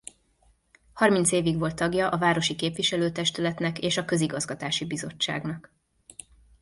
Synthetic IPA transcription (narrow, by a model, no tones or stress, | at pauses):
hɒrmint̪seːviɡʋo̞lt̪ːɒɡjɒʔɒvaːɾo̞ʃikeːpʋiʃɛløːt̪ɛʃt̪ylɛt̪nɛkeːʃɒkø̞ziɡɒzɡɒt̪aːʃibizo̞̰t͡ʃːa̰ːɡnɒk